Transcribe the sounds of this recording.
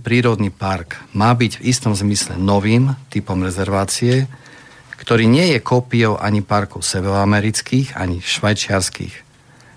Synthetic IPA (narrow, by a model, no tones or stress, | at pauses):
pɾiːɾɔd̪nipaɾkmaːbiɟvist̪ɔmzmislɛ̰nɔʋiːmt̪ipɔmɾɛzɛɾʋaːt͡siɛ | kt̪ɔɾiːɲɪɛjɛkɔpiɔʊʔaɲipaɾkɔʊsɛʋɛɾɔamɛɾit͡skiːɣa̰ɲiʃʋajt͡ʃɪaɾskḭx